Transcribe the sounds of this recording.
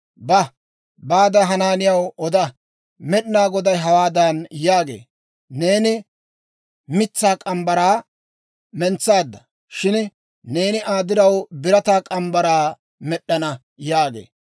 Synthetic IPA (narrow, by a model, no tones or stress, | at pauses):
bɐ | baːd̪ɐɦɐnaːnɪjɐwɔd̪ɐ | mɛɗnaːɡɔd̪ɐjɦɐwaːd̪anjaːɡḛː | ne̞ːnɪ | mɪt͡sːaːkʼɐmbɐɾaː | mɛnt͡sːaːd̪ːɐ | ʃɪn | ne̞ːnɪʔaːd̪ɪɾɐwbɪɾɐt̪aːkʼɐmbɐɾaː | mɛɗːɐnɐ | jaːɡḛː